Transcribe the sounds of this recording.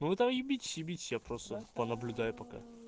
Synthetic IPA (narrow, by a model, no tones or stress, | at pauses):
nʊvɨt̪amjʊbʲitʲɪ̥sʲjʊbʲitʲɪ̥sʲjapɾost̪əpənəblʲʊd̪ajʊpɐka̰